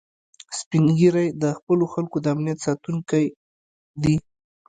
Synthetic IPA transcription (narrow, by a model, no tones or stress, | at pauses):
spiŋɡiɾajd̪əxpəloxalkod̪əamnijat̪sɑt̪uŋkaj | d̪i